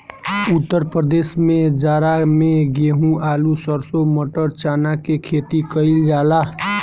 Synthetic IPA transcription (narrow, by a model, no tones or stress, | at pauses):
ut̪ːəɾpɾəd̪eːsmẽd͡ʒaːɾamẽɡeɦũaːlusəɾsoməʈəɾt͡ʃaːnakekʰet̪ikəɪld͡ʒaːla